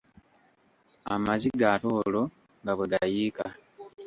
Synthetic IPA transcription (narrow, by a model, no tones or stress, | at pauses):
a̰maziɡatoːlo̞ | ŋɡaβweɡajiːka